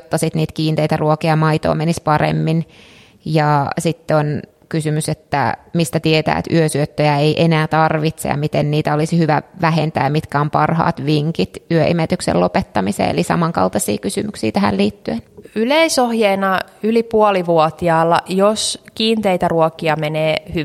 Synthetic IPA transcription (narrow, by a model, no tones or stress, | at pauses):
t̪ːɑsit̪niːt̪kiːnt̪eijt̪æruokiɑmɑit̪o̰ːmenispɑrḛmːin | jɑsit̪ːeon | kysymyset̪ːæ̰mist̪æt̪iet̪æ̰ːḛt̪yøsyøt̪ːøjæejʔenæːt̪ɑrʋit̪sḛjɑ̰mit̪enniːt̪æolisihyʋæʋæɦent̪æ̰ːjɑmit̪kæompɑrhɑ̰ːt̪ʋiŋkit̪yøʔḭmet̪yksḛlopet̪ːɑmisḛːḛlisɑ̰mɑŋkɑ̰lt̪ɑsḭːkysymyksḭːt̪æhæ̰lliːt̪ːyenyleisohjeːnɑylipuoliʋuot̪iɑːlːɑ̰joskiːnt̪eit̪æruokiɑmeneːhy